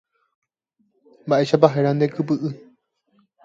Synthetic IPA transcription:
mbaʔe̞ʃapaɦeɾand̪ekɨpɨʔɨ

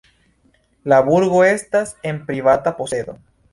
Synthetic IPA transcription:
laβuɾɣo̞e̞stase̞mpɾivatapo̞se̞do̞̰

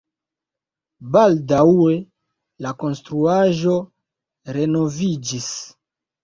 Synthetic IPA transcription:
baldawe̞ | lako̞nstɾuaʒo̞ | ɾe̞no̞vid͡ʒis

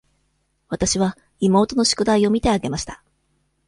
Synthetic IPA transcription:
βat̪aɕiβ̞a | imo̞ːt̪o̞no̞ɕi̥kɯ̟d̪aio̞mʲit̪e̞aɡe̞maɕi̥t̪ḁ

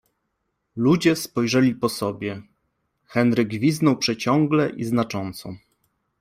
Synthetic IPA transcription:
lud͡ʑɛspɔjʐɛlʲipɔsɔbʲjɛ | xɛnɾɘɡvʲiznɔwpʂɛt͡ɕɔŋɡlɛʔiznat͡ʂɔnt̪sɔ̃

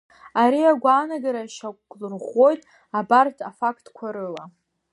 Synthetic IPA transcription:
aɾiaɡʷaːnaɡaɾaʃakʷʼlrʁʷo̞jtʼ | abartʰafakʼtʰʼkʷʰaɾɨla

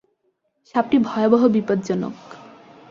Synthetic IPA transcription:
ʃap̚ʈibʱɔeobɔɦobipod̪̚d͡ʑɔno̰k

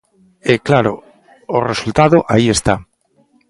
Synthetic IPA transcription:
eklaɾoː | result̪aðoʔaiest̪a

